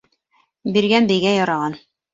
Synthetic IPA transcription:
biɾɡænbɘ̆jɡæjɒɾɑʁɑn

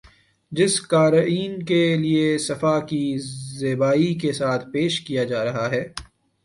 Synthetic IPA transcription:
d͡ʒɪskaːɾiːnkeliesɐfakizeːbaːikesaːt̪ʰpeːʃkijad͡ʒaːɾɐɦaɦɛː

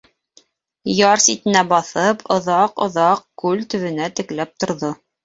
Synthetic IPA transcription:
jɑɾsit̪ɘ̆næbɑθɤpʰŏðɑqŏ̰ðɑq̚kʉlt̪ɵ̆βɘ̆næt̪ɘ̆klæp̚t̪ŏɾðo

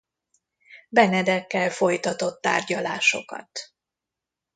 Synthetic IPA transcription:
bɛnɛd̪ɛkːɛlfo̞jt̪ɒt̪o̞t̪ːa̰ːrɟɒlaːʃo̞̰kɒ̰t̪

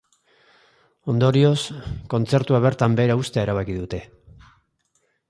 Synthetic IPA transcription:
o̞nd̪o̞ɾio̞sko̞nt͡se̞ɾt̪uaβ̞e̞ɾt̪ambe̞ːɾaust̪eaeɾaβ̞akiðut̪e̞

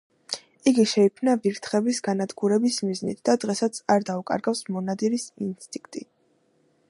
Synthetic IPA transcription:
iɡiʃɛikʰmnaviɾt̪ʰχɛbisɡanad̪ɡuɾɛbismiznḭt̪ʰd̪̥ad̪ʁɛsat̪sʰaɾd̪aukʼa̰ɾɡafsmɔnad̪iɾisinst̪ʼĩ̥ŋk̚ʰt̪ʼi

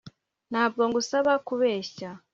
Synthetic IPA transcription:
n̥haːbɡo̞ŋɡusaβakuβeːɕa

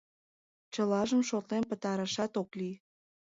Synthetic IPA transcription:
t͡ɕəlɑʒəmʃot̪lempə̆t̪ɑɾəʃɑt̪oklij

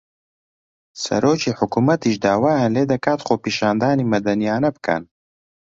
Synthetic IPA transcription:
sɐ̰ɾoːt͡ʃiħʊkumɐt̪iʃd̪aːwaːɐnleːd̪ɐkaːt̪χoːpiʃaːnd̪aːnimɐd̪ɐnijaːnɐb̚ka̰n

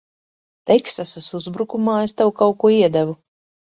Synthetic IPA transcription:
t̪ɛksasasuzbɾukumaːest̪awkawkuɔiɛd̪ævu

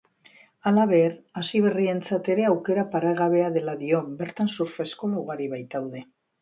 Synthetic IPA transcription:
alaβ̞e̞ɾasiβ̞e̞rie̞nt͡sat̪e̞ɾe̞awke̞ɾapaɾaɣ̞aβ̞e̞aðe̞laðio̞mbe̞ɾt̪ansuɾfe̞skoluɣaɾiβajt̪awðe̞

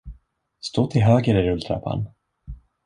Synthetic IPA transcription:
st̪oːt̪ʰɪlɦøːɡəɾɪɾɵlt̪ʰɾa̰pʰa̰n

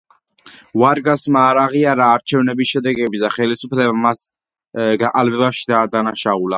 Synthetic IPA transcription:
vaɾɡasmaːɾaʁiaɾaːɾt͡ʃʰɛvnɛbisʃɛd̪ɛɡɛbid̪aχɛlisupʰlɛbamas | ɡaqʼalbɛbaʃid̪aːd̪anaʃaula

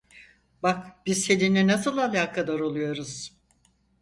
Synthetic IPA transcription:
bakb̥izselʲininasɯlˠalʲaːkʰad̪ˠaɾo̞lˠujo̞ɾuz̥

